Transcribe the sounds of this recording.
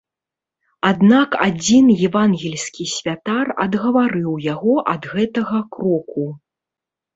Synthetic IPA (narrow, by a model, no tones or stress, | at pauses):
ad̪nakad͡zʲinjɛvanɣʲɛlʲsʲkʲisʲvʲat̪arɐ̰d̪ɣɐvaɾɨwjaɣɔʔɐd̪ɣɛt̪ɐɣɐkɾɔku